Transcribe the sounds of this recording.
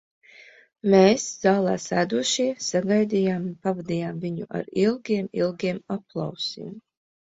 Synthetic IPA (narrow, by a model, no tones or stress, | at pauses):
meːszaːlˠa̰ːsæːd̪uɔʃiɛsaɡajd̪ijaːmpavad̪ijaːmviɲuʔa̰ɾilˠɡʲiɛmilˠɡʲiɛmaplˠa̰wsḭm